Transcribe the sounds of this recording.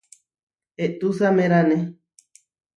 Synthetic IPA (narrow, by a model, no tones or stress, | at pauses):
eʔt̪usamẽɾane